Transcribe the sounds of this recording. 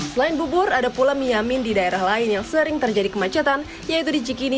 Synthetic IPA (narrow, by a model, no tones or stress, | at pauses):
səlaɪnbubʊradapulamiɲamɪndidaeɾahlaɪnjaŋsəɾɪŋt̪ərd͡ʒadikəmat͡ʃat̪an | jait̪udit͡ʃikini